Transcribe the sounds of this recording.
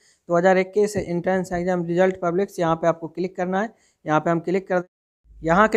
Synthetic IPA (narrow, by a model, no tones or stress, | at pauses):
d̪oːɦɐzaːɾɪkːiːseʔɪ̃ɳʈɾɛ̃ːnsɦɛ̃ɡd͡ʒeɦɐmɾɪzəlʈpɐblɪksjɐɦãpeaːp̚kokɪlɪkːɐɾnaɦɛ | jɐɦãpeɦɐmkɪlɪkːɐɾd̪ | jɐɦãkɪ